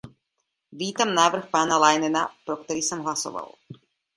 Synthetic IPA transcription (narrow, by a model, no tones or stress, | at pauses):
ʋʲiːt̪amnaːʋr̩xpaːnalˠajnɛnapɾɔkt̪ɔɾisɔmɦlˠasɔ̰ʋa̰lˠ